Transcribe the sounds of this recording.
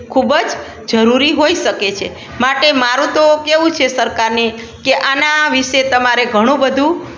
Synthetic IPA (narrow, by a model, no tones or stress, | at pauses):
kʰubəd͡ʒ | d͡ʒəɾuɾiɦoiʃəket͡ʃʰe | maʈemaɾũt̪okeʋũt͡ʃʰesəɾkaɾne | keʔanaʋiʃet̪əmaɾeɡʱəɽ̃ũbəd̪ʱũ